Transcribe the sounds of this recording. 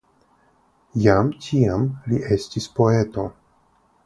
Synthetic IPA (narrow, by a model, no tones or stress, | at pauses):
jamtʰiamliʔe̞stispo̞e̞to̞